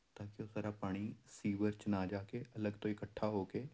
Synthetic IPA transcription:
t̪aːkiʊsəɾapaːɽ̃isiːbəɾt͡ʃnad͡ʒaːkeɐləɡt̪oɪkəʈʰːaɦoːkeː

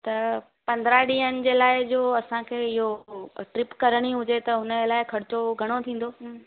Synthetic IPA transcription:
t̪ɐ | pɐ̃nd̪ɾaɗĩːɦənɪ̆d͡ʑeːlaːɪd͡ʑoːɐsãkʰeːɪɦoʈɾɪpkɐɾəɽ̃iɦʊd͡ʑet̪ɐɦʊnəelaːɪkʰɐɾɪt͡ɕoɡʱɐɽ̃ot̪ʰĩːn̆d̪oː

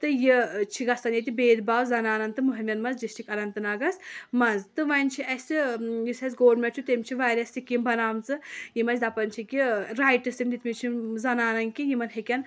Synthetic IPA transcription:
t̪ɨjit͡ʃʰiɡɐst̪ɐnjet̪̬ʲibeːd̪baːwzɐnaːnɐnt̪ɨmuɦiɾmʲɐnmɐzd͡ʒist͡ʃikɐɾɐnt̪ɨnaːɡɐsmɐnzt̪ɨʋɐnʲt͡ʃʰiɐsʲijisɐz̬ɡoːɾmɐʈt͡ʃʰut̪emt͡ʃʰiʋaːɾʲɐsikʲimbɐnaːmt͡sɨjimɐt͡ʃʰd̪ɐpɐnt͡ʃʰikʲiɾajʈɨsimd̪it̪mit͡ʃʰizɐnaːnɐnkijimɐnɦekʲɐn

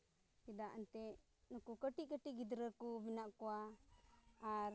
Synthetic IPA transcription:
kid̪aʔant̪ɛ | nukukəʈiʔkəʈiʔɡid̪ɾəkubinaʔkuaː | ɾ

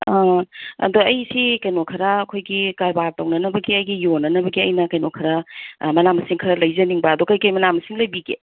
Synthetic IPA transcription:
aɐ̰doɐjsikɐjnokʰɐɾɐːkʰojɡikaɾbaɾtɐwnɐnɐbɐɡiɐjɡijonɐnɐbɐɡiɐjnɐkɐjnokʰɐɾɐmɐnamɐsiŋkʰɐɾɐlɐjzɐniŋbɐɐdokɐjkɐjmɐnamɐsiŋlɐjbiɡḛ

